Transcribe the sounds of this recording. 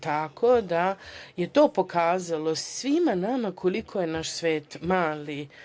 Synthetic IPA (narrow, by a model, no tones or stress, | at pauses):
t̪akʰod̪aje̞t̪o̞ːpo̞kaːzalo̞sʋimanamakʰolikʰojenaʃsʋeːt̪maːli